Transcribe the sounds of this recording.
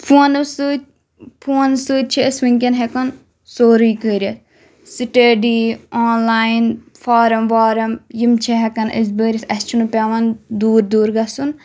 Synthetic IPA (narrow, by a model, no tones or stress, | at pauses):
pʰoːnɨsɨ | pʰoːnsɨːt͡ʃʰiəsʋɨŋʲkʲɐnɦɛkɐn | soːɾiːkəːɾʲɐs | siʈeɖiaːnlaːjn | fʰaːɾɐmʋaːɾɐmjimt͡ʃʰɛɦɛkɐnʔə̰s̬bəːɾʲɐsɐst͡ʃʰunɨpʲaʋɐnd̪uːɾd̪uːɾɡɐsun